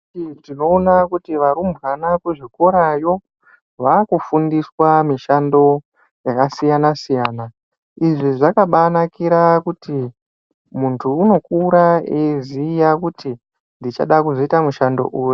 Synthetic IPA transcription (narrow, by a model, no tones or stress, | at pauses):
itino̞ːnakutiʋaɾumbɣanakweʐiko̞ɾajo̞ | ʋakufundiswamiʃando̞ | jakasijanasijaːna | iʐiʐakaɓanakiɾakuti | muntʰuːno̞kuɾaezijakuti | ndit͡ʃa̰ɗakuzoitamuʃando̞̰ʔuːju